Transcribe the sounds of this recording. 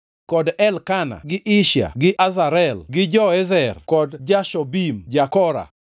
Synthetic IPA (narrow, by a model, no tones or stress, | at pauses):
kɔdɛlkana̰ɡɪʔɪʃa̰ɡɪʔazaɾɛlɡɪd͡ʒɔɛzɛrkɔdd͡ʒaʃɔbimd͡ʒakɔɾa̰